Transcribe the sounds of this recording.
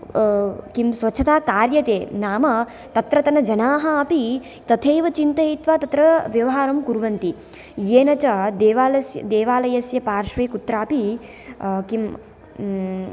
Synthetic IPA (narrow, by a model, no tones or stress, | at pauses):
kimsʋɐt͡ʃʰɐt̪aːkaːɾjɐt̪eːnaːmɐ | t̪ɐt̪ɾɐt̪ɐnɐd͡ʒɐnaːɦɐːpi | t̪ɐt̪ʰeːʋɐt͡ʃint̪ɐit̪ʋaːt̪ɐt̪ɾɐʋjɐʋɐɦaːɾɐmkuɾʋɐnt̪i | jeːnɐt͡ʃɐd̪eːʋaːlɐsjɐd̪eːʋaːlɐjɐsjɐpaːɾʃʋeːkut̪ɾaːpi | kim